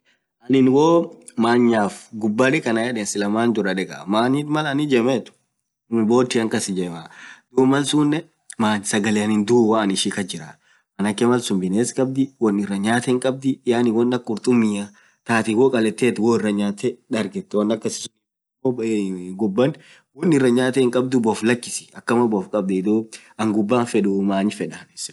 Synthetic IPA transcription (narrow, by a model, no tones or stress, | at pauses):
ʔɐnɪnwoː | maːɲːaːfɡʊbːɐlɛkɐnɐjɛᶑeːnsɪlɐmaːnd̪ʊɾɐᶑɛkʼɐ̰maːniːt̪mɐlɐnɪd͡ʒɛmɛt̪ʊ̥ | bo̞ːt̪ːɪɐŋkɐsɪd͡ʒɛmaːd̪̥uːmɐlsuːnːɛ | maːnsɐɡɐleɐnɪnd̪uːwɐːnɪʃikɐd͡ʒɪɾa̰ | ʔɐnɐkːɛmɐlsʊnbɪneːskʼɐb̚d̪ɪwɔnːɪrːɐɲaːt̪ɛɪŋkʼɐb̚d̪ɪjaːnɪwɔnːɐkʼːʊɾt̪ʼʊmːɪja | t̪aːt̪ɪwoːkʼɐlɛt̪ːeːt̪woːɪrːɐɲaːt̪ɛᶑ̪ɐɾɡɛt̪ːɛwɐnːɐkːɐsɪ̥sʊni | mːoɡʊbːɐn | wɔnːɪrːɐɲaːt̪ɛɪŋkʼɐb̚d̪ʊbɔflɐkːɪ̥sɪ̥ɐkːɐmɐbɔfkʼɐb̚d̪ɛɪd̪uː | ɐŋɡʊbːaːnfɛᶑʊmaːɲfɛᶑɐns